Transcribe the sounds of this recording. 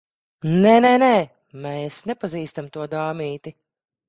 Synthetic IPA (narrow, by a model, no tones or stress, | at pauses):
nɛnɛnɛː | mɛːsnɛpaziːst̪amt̪uɔd̪aːmiːt̪i